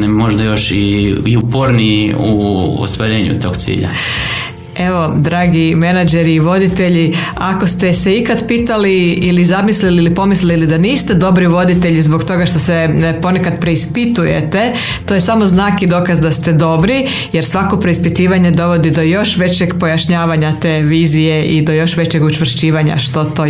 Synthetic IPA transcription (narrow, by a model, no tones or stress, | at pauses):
nɛmo̞ʒd̪ajo̞ʃiiupoɾniuo̰st̪ʋaɾe̞ːɲṵt̪o̞ːɡt̪sḭːʎa̰ | e̞ʋo̞d̪ɾaːɡime̞nad͡ʒeɾiːʋo̞d̪it̪e̞ʎi | akost̪eseikad̪pit̪aliilizamisliliːlipo̞mislilid̪aniːst̪ed̪o̞bɾiʋo̞d̪it̪e̞ʎizbo̞kt̪o̞ɡaʃt̪o̞sepo̞nekad̪pɾe̞ispit̪ujḛt̪e̞ | t̪ojesamo̞znaːkid̪o̞ːkazd̪ast̪e̞d̪o̞bɾi | jeɾsʋako̞pɾe̞ispit̪iːʋaɲed̪o̞ʋo̞d̪id̪o̞jo̞ʃʋe̞t͡ɕeɡpo̞jaʃɲaːʋaɲat̪eːʋiːzije̞ʔid̪o̞jo̞ʃʋe̞t͡ɕeɡut͡ʃʋr̩ʃt͡ɕiːʋaɲa̰ʃt̪o̞t̪o